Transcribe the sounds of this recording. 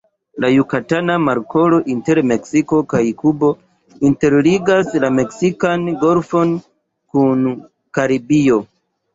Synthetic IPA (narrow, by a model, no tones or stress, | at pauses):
lajukatanamaɾko̞lo̞ʔinte̞ɾme̞ksiko̞kajkubo̞ | inte̞ɾliɡaslame̞ksikanɡo̞lfo̞n | kun | kaɾibio̞